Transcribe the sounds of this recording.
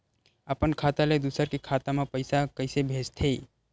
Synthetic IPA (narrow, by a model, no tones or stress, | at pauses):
əpənkʰat̪aled̪usəɾkekʰat̪amepəɪsakəɪsebʱed͡ʒt̪ʰe